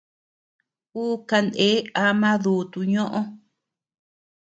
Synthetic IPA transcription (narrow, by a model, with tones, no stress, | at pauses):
uː˦ka˧nd̪e˦a˧mã˦ðu˨t̪u˧ɲõ˦ʔõ˦